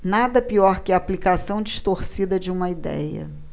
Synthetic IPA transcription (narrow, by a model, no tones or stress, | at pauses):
nad̪ɐpiɔɾkɪɐːplikasɐ̃w̃d͡ʒiʃt̪oɾsid̪ɐd͡ʒɪũmɐid̪ɛ̰jɐ̰